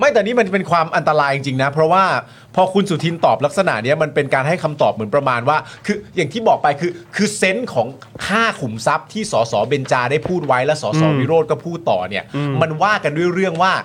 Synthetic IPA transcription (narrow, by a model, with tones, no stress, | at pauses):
ma˥˩jt̪ɛː˨˩niː˦˥m˧nt͡ɕa˨˩pe˧nkʰwaː˧mʔa˧nt̪a˧ɾaː˧ji˧ŋt͡ɕi˧ŋna˦˥pʰɾɔ˦˥waː˥˩ | pʰɔː˧kʰu˧nsu˨˩t̪ʰi˧nt̪ɔː˨˩pla˦˥k̚sa˧na̰˨˩ʔni˦˥ɐma˧npe˧nkaː˧nɦa˥˩jkʰa˧mt̪ɔː˨˩p̚m˩˦npɾa˧maː˧nwaː˥˩kʰɯː˧jaː˨˩ŋt̪ʰiː˥˩bɔː˨˩k̚pa˧jkʰɯː˧kʰɯː˧se˦˥nkʰɔː˩˦ŋ | kʰaː˥˩kʰu˨˩˦msa˦˥p̚t̪ʰiː˥˩sɔː˩˦sɔː˩˦be˧nt͡ɕaː˧daː˥˩jpʰuː˥˩t̪̚wa˦˥jlɛː˦˥wsɔː˩˦sɔː˩˦wi˦˥ɾoː˥˩t̪̚kɔː˥˩pʰuː˥˩t̪ːɔ̰ː˨˩ni˥˩ɐma˧nwaː˥˩ka˧ndu˥˩əjɾɯ˥˩əŋwaː˥˩